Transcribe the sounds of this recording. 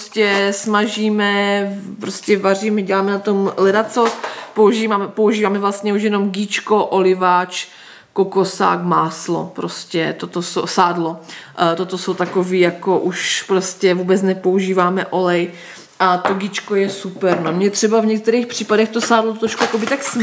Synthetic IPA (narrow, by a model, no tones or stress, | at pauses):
scɛsmaʒiːmɛpɾoscɛvar̝iːmɛɟɛlaːmɛnat̪o̞mlɛɾat͡sopouʒiːvamɛpo̞uʒiːvaːmɛvlast̪ɲɛuʃ̬jɛno̞mɡiːt͡ʃkoʔolɪvaːt͡ʃ | kokosa̰ːkmaːslo̰pɾoscɛt̪ot̪oso̰wsaːdlo̞t̪ot̪osowt̪akoviːjakoʔuʃpɾoscɛvuːbɛt͡snɛpouʒiːvaːmɛʔo̞lɛj | ʔat̪oɡiːt͡ʃkojɛsupɛɾnomɲɛt̪r̥ɛbavɲɛk̚t̪ɛɾiːxpr̝̥iːpadɛxt̪osaːdlot̪ɾoʃkujakobɪt̪aks